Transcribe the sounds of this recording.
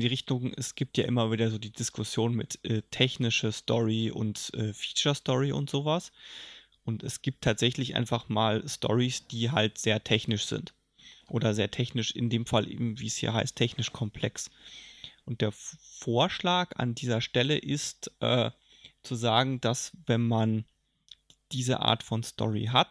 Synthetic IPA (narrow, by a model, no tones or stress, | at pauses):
ndiːʁɪçtʊŋʔɛ̰sɡ̥iːp̚tja̰ːʔɪmɐviːdɐzoːdiːdɪskʰʊsjoːnmɪ̰tʔɛːtʰɛçnɪʃəstʰɔ̰ʁiʔʊ̰ntʔɛːfi̥ːt͡ʃɐstɔʁiʔʊ̰ntz̥oːvas | ʔʊntɛsɡ̥iːp̚tʰːaːtz̥ɛçlɪçʔa̰ɪnfaχmaːlstʰɔ̰ʁisd̥iːɦaltz̥eːɐtʰɛçnɪʃz̥ɪ̰nt | ʔoːɾɐzeːɐtʰɛçnɪʃɪndeːmfalʔḛːbm̩viːɛshḭːɐɦaɪstʰːɛçnɪʃkʰɔmpʰl̥ɛks | ʔʊnt̚d̥eːɐfoːɐʃlaːka̰ndiːzɐʃtɛləʔɪstʔɛː | t͡suzaːɡŋ̩d̥asvɛnman | d̥iːzəʔa̰ːɐtfɔnstʰɔ̰ʁḭɦat